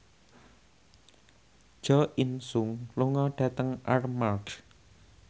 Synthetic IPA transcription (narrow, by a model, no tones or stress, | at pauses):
ʒ̥ɔʔinsʊŋluŋɔɖ̥ä̤t̪əŋʔarmalk